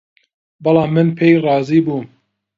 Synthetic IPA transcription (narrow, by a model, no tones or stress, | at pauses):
bɑlɑːmːɨnpʰejrˤɑːziːbum